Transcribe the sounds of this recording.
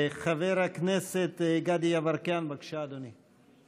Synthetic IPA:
xɐveɾɐkʰneset̪eɡad̪ijaʋɐɾkaːnbɐkʃaːd̪uni

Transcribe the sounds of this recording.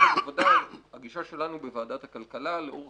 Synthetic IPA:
avodahaɡiʃaʃe̞lanubevaːdat̪hakalkalaleʔoʁ

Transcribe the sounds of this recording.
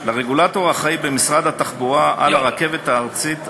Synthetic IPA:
laʁeɡulat̪o̞ʁaχaibemisʁad̪hat̪aχbuʁaʔa̰laʁake̞vet̪haːʁt͡sit̪

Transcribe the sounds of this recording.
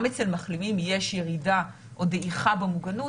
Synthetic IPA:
met͡selmaχlimimjeʃjeʁida | ʔodeʔiχabemuɡanu

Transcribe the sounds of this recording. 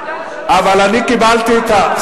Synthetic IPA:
aʋalanikibaːlt̪it̪ʰa

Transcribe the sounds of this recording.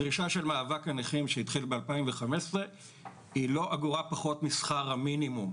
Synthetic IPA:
ʁiʃaʃe̞lmaːvakaneχimʃeit̪χilbealpaimveχamesʁe | ilo̞ʔaɡuʁapaχo̞t̪misχaʁhaminimum

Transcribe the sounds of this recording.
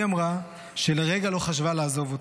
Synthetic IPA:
amʁa | ʃeleʁeɡalo̞χaʃvalaːzo̞vot

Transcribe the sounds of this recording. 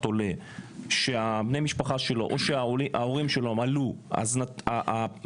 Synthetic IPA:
t̪o̞le̞ | ʃe̞abnejmiʃpaχaʃe̞lo̞̰ʔoʃeaoiʔaoʁimʃe̞loemalua̰znaaʔa

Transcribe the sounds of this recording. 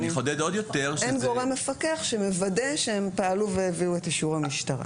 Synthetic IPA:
niχod̪ed̪od̪jot̪eʁʃenɡo̞ʁemːefakeaχʃemevade̞ʃeempaaluveeviuetaʃuʁhamiʃtaʁa̰

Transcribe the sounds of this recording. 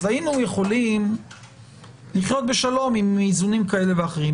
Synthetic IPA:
zainuje̞χo̞lim | liχjo̞t̪̚be̞ʃalo̞mimizunimkae̞le̞veaχeʁim

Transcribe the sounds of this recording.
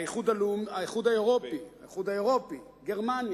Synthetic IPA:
jeχud̪alumaeχud̪aeʁo̞piajeχudaeʁo̞pi | ɡeʁmanj

